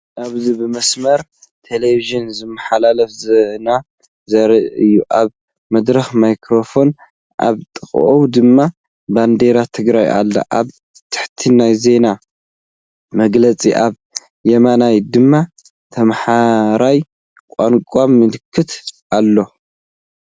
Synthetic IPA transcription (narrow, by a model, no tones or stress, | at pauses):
ʔaβzibɨmɐsmɐɾ | t̪ʰeleviʒɨnzɨmːaħalalɐfzɐna | zɐɾɐʔɨjːuʔaβ | mɐd̪ɾɐxmajkʰɾo̞fo̞n | ʔa̰βt̪ʼɨxʼʔowd̪ɨmːa | band̪e̞ɾat̪ʰɨɡɾajʔa̰lːa̰ʔaβ | t̪ʰɨ̥ħt̪ʰinajze̞na | mɐɡlɐt͡sʼiʔaβ | jɐmanajd̪ɨmːa | t̪ʰɐmħaɾaj | kʷʼankʷʼamːɨlɨkʰːɨt̪ʔalːo̞